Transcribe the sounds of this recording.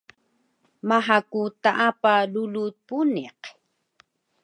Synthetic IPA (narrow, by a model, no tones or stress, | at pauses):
maɦakut̪aʔapalulut̪̚puneq